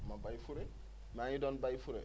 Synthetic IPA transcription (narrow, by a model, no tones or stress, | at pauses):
mabajfuɾe | majidɔnbajfuɾḛ